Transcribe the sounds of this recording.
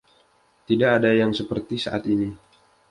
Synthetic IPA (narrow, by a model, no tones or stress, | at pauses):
t̪idaʔːdajaŋsəpərt̪isa̰ʔat̪ini